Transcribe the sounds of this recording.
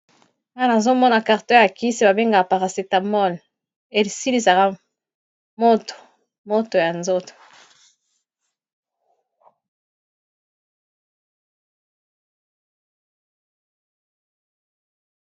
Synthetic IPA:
ŋa˦na˨zo˦mɔ˦na˨ka˨ʁtɛ˦ja˨ki˦se˦˨ba˨be˦ŋɡa˨ka˨pa˨ʁa˨se˨ta˨mɔ˦l | e˨li˨si˦li˨sa˨ka˦ | mo˦to̥˨ | mo˦to˨ja˨nzo˦to̥˨

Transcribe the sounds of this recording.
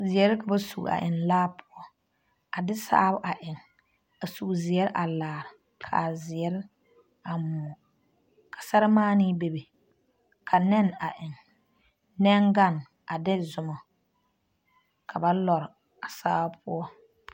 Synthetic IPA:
zɪ˨ɛ˨˦ɾɪ˦ka˨ba˦sṵ˨a̰˨ʔɪ˨nlaː˦pʰʊ˦ɔ˦ | a˨dɪ˦sa̰ː˦bʊ˦ʔa˨ʔɪ˨ŋ | a˨su˨zɪ˨ɛ˦ɾɪ˦ʔa˨laː˨ɾɪ˨ | kʰa̰˨zɪ˨ɛ˦ɾɪ˦ | a˨mɔ˨ | kʰa˨sa˦ɾɪ˦maː˦nɪ˦be˨be˨ | kʰa˨nɛ˦na˨ʔɪ˨ŋ | nɛ˦ŋɡa˦˨n | a˨dɪ˦zʊ˨mɔ˨ | kʰa˨ba˦lɔ˨ɾɪ˨ | a˨sa̰ː˦bpʰʊ˦ɔ˦

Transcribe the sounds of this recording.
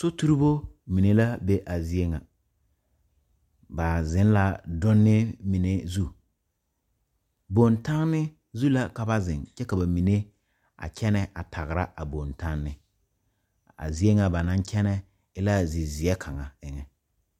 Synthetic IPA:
sʊ˦tu˦ɾi˦bo˦mi˨ne˦la˦be˦ʔa˨zi˦e˦ŋa˨ | ba˨zɪ˨˦n˦la˨dʊ˦nːɪ˦mi˨ne˦zu˦ | bo˨nta˦ŋnɪ˦ | zu˦la˦ka˨ba˦zɪ˨ŋt͡ʃɛ˦ka˨ba˨mi˨ne˦ | a̰˨kʰʲɛ˦nɛ˨ʔa̰˨tʰa˨ɣɪ˨ɾa̰˦ʔa˨bo˨nta˦ŋːɪ˦ | a̰˨zi˦e˦ŋa˨ba˨nã˦ŋkʰɛ˦nɛ˦ | ɪ˦la˦zi˨zɪ˨ɛ˦kʰa˨ŋa˨ɪ˦ŋɛ˨

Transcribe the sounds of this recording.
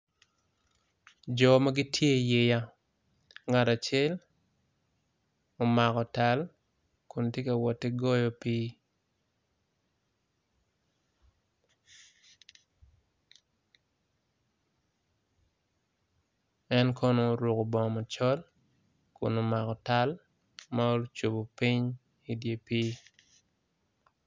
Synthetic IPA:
d͡ʒɔ˨ma˦ɡi˦tʰje˦je˨ja˦ | ŋa˨ta˨t͡ʃe˦l | o˨ma˨kɔ˨ta˨˦l | kʊ˨ntje˦ka˨wɔ˨tːɛ˦ɡɔ˦jɔ˦pi˦ | ɛ˦nkʰɔ˦no˦ɾo˨ko˨bɔ˨ma˨t͡ʃɔ˦l | kʊ̰˨no˨ma˨kɔ˨ta˦l | ma˦o˦t͡ʃo˨bo˨pi˦ɲ | i˦dje˨pi˦

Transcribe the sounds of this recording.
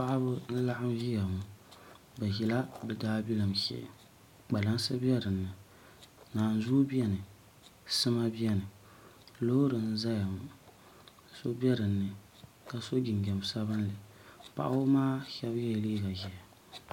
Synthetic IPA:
pa˦ʔa˦bʊ˦n̩˦la˦ʔa˦mʒi˦ja˨mu˨ | bɛ˨ʒi˨la˦bɛ˨daː˦bi˦la˨mʃɛ̰˨ʔ | k͡pa˨la˦nsɨ˦bɛ˦ɾɨ˨nːɨ˨ | naː˨n˨zuː˦bi˦ɛ˦nɨ˨ | sɨ˦ma˦bi˦ɛ˦nɨ˨ | lo˦hɾɨ˨n̩˦za˦ja˨mʊ˨˦ | so˦bi˦ɛ˦ɾɨ˨nːɨ˨ | ka˨so˦ɡɪ˨ŋ˨ɡɛ˨m˨sa˦βɨ˦n˦lɨ˨ | pa̰˨ʔa˦maː˦ʃɛ˦bjɛ˦˨liː˦ɡa˨ʒɛ˨ja˨

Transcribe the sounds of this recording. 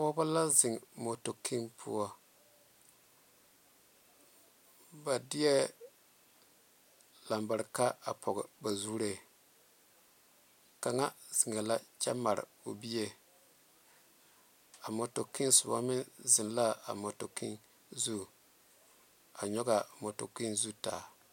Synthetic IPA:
ɔ˦ba˦la˦zɪ˨ŋmo˨to˨kʰi˦npʰʊ̰˦ɔ˦ | ba˨dɪ˦ɛ˦ | la˨mba˨ɾka˦a˨pʰɔ˨ɡɪ˨ba˨zuː˦ɾe˨ | ka˨ŋa˦z̥i˨ŋɛ˨la˦t͡ʃɛ˦ma˨ɾɪ̰˨ | o˨bi˦je˦ | a˨mɔ˨to˨ki˦nsʊ˨ba̰˦mɪ˦nzɪ˨nla˦a̰˨mo˨to˨kʰi˦n | zu˦ | a˨ɲɔ˦ɡa˨mo˨to̰˨ki˦nzu˦ta̰ː˨

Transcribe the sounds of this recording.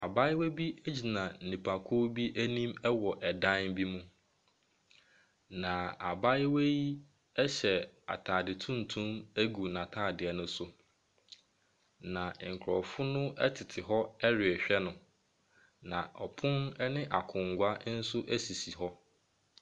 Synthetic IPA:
a˨ba˦we˦bi˦æ˦d͡ʑi˨nã˨n̩˨nĩ˨pʰa˨kʰʊ˦bi˦ʔæ˦nĩ˦mɛ˦wɔ˨ʔɛ˨dã˦nbi˦mũ˦ | nã˨a̰˨ba˦jɪ˦we˦ji˦ | ɛ˦ɕɛ˨a̰˨tʰa˨dɪ˨tʰũ˦n̩˨tʰũ˦mæ˦ɡu˨nã˨tʰaː˦˨dɪ˨ɛ˨nʊ̃˦sʊ˨ | nã˨ŋ̩˨kʰɾɔ˨fʊ˦nʊ̃˦ɛ̰˦tʰɪ˨tʰɪ˨ɦɔ˦ɛ˦ɾɪ˨ɛ˨ɕᶣɛ˦nʊ̃˨ | nã̰˨ʔɔ˨pʰʊ̃˦nɛ˦nɪ̃˦ʔa˨kʰʊ̃˨ŋ̩˨ɡʷa˦n̩˦sʊ˦ʔæ˦si˨si˨ɦɔ˦

